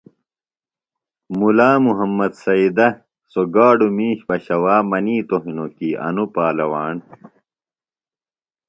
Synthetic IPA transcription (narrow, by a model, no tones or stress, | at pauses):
mulaːmuɦɐmːɐd̪sɐid̪ɐ | soɡaːɖumiːɕpɐɕɐwaːmɐniːt̪oɦinokiːʔɐ̰nupaːlɐwaːn